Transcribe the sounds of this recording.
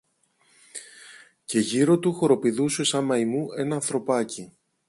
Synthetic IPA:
ce̞ʝiɾo̞t̪uxo̞ɾo̞piðusesɐmɐimuʔe̞nɐːnθɾo̞pɐci

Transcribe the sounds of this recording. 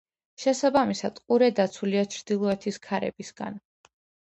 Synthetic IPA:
ʃɛsabamisad̪̥qʼuɾɛd̪at̪sʰuliat͡ʃʰɾd̪ilˠɔɛt̪ʰiskʰaɾɛ̰bisɡ̥a̰n

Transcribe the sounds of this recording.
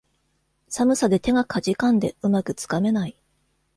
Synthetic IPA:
samɯ̟sad̪e̞t̪e̞ɡakʰad͡ʑikãnd̪e̞ɯ̟makɯ̟t͡sɨ̥kame̞nai

